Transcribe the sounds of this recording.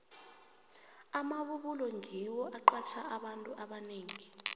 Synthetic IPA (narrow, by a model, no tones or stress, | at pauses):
amaɓuɓulɔŋʱiwɔʔaǃwat͡ʃʰaaɓantʼuʔaɓaneːŋi